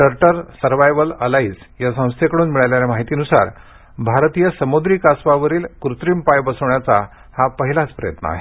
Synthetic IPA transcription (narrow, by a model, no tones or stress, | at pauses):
əɾʈəɾsəɾʋajʋələlaiːd͡z | jasə̃w̃st̪ʰekəɽuːnmiɭaljaljamaɦit̪iːnusa̰ɾ | bʱaɾt̪ijəsəmod̪ɾiːkasʋaʋəɾiːlkɾut̪ɾiːmpajbəsəʋɳjat͡sa | hapəɦilat͡spɾəjət̪nə̰a̰ɦe